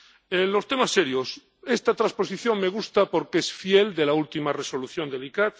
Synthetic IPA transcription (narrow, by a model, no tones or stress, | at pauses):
enlo̞st̪e̞masːeɾjos | est̪at̪ɾaspo̞siθjo̞ŋme̞ɣ̞ust̪apo̞ɾkeesfjeld̪e̞lault̪imare̞so̞luθjo̞nd̪elikat̪